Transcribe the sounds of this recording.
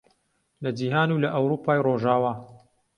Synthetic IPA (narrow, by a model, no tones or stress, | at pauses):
lɐd͡ʒiːɦaːnulɐʔɐwɾuːpʰaːjroʒaːwaː